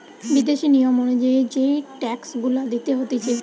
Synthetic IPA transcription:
bid̪eʃinijomonod͡ʑaed͡ʑeʈɛksɡulad̪it̪eɦot̪et͡ɕʰil

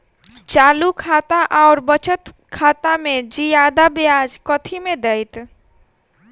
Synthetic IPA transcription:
t͡ʃaːlukʰat̪aʔaʊɾbət͡ʃət̪ | kʰaːt̪amed͡ʒijad̪abjad͡ʒkət̪ʰimẽd̪əjt̪

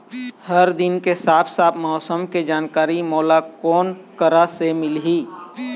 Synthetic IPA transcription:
həɾd̪ɪnkesaːpʰsaːp̪ʰmɔːsəmked͡ʒaːnkaːɾimɔːlakɔːnkəɾasemɪlɦiː

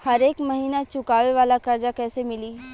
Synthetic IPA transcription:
hɐɾeːkmɐɦiːnat͡ʃʊkaːʋeʋaːlakɐɾd͡ʒakɛːsemɪliː

